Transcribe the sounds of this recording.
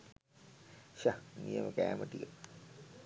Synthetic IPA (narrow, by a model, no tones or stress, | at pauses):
ɕanijəməkæ̰ːməʈikə